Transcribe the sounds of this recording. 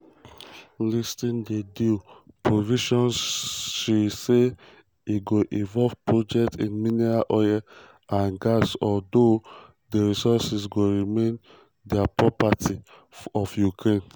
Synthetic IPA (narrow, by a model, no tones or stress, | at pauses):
listĩndedupɹoviʃɔ̃nsʃise | iɡoʔĩvɔvpɹod͡ʒɛktĩnminiɹaʔɔja | ãnɡasɔldo | deɹisɔsisɡoɹimẽn | dɛapɹɔpatʰi | ɔfjukɹẽn